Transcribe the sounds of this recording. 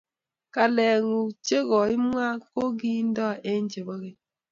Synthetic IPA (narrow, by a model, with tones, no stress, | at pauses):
ka˨lɛ˨ŋu˨t͡ʃe˦ɣɔ˨i˦m˦ŋa˦ko˦ɡi˦n̩˦dɔ˦ʔe˦ɲ˦d͡ʒe˨bɔ˦ɣe˦